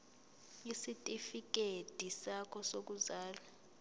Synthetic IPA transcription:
isitʼifik̬ʼed̥ʱisakʰɔsok̬uzaːla

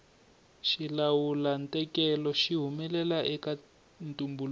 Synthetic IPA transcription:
ʃilawulantʼɛkɛlɔʃiɦumɛlɛlaʔɛka | ntʼumbul

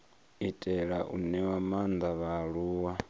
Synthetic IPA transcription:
itʼɛɺaʔṵnɛwamand̪aβaɺuːwa

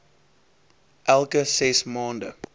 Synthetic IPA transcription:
ʔælˠkəsɛsmɑːndə

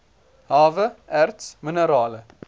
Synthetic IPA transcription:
ɦɑːvəʔærtsmənəɾɑːlə

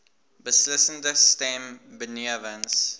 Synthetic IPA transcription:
bəsləsəndəstɛ̃mbəniəvə̃ns

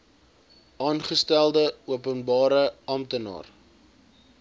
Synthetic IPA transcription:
ɑːnχəstælˠdəuəpənbɑːɾəɐmtənɑ̰ːr

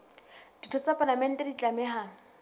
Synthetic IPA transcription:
d̥itʰɔt͡sapʼalamɛn̩tʼɛdit͡ɬʼamɛhaːŋ̩

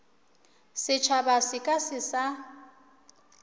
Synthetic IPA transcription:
sɪt͡ʃʰabasɪkʼasɪsa

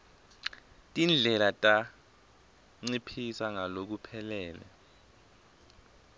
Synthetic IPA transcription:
tʼind͡ɮʱɛlatʼa | ŋ͡ǀipʰisaŋalok̬upʰɛlɛːlɛ̰

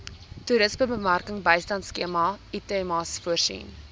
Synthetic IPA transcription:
tuɾəsməbəmærkəŋbəjstɐntskeəmɑitemɑsfuərsḭn

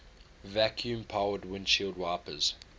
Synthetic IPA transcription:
vækʰjũmpʰaʊədwɪ̃nʃilˠdwaɪpəz̥

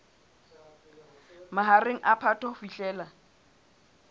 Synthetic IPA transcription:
maɦareŋ̩ʔapʰatʰɔfiɬʼɛːla

